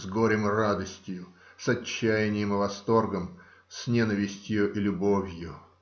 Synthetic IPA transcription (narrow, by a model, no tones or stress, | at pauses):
zɡoɾʲɪmrad̪əsʲtʲjʊ | sɐt͡ɕːæjɪnʲɪjɪmɨvɐst̪o̞rɡəm | sʲnʲenəvʲɪsʲtʲjʊʔilʲʊbovʲjʊ